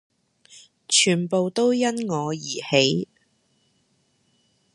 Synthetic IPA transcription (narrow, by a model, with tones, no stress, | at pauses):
t͡ʃʰyː˨˩npo˨wt̪o˥wjɐ˥nŋɔː˨˧jiː˨˩he˨˥j